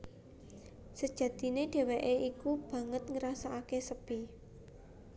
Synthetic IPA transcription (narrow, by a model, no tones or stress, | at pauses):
səd̥ʒ̥ä̤d̪̥i̤neɖ̥e̤weʔeikub̥ä̤ŋət̪̚ŋəɾasaakesəb̥i